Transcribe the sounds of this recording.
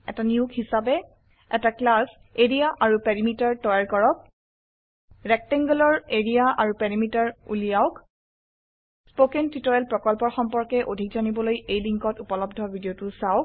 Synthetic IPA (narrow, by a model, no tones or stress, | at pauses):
ɛtaniukhisabɛ | ɛtaklas | eɹijaʔaɹupɛɹimitaɹtɔjaɹkɔɹɔk̚ | ɹɛk̚tɛŋɡɔlɔɹeɹijaʔaɹupɛɹimitaɹṵlijaʊk | spokɛntitɔɹɛlpɹɔkɔlpɔɹxɔmpɔɹkɛʔodʱikzanibɔlojejliŋkɔtupɔlɔbdʱɔbʱidiotʊsaʊk̚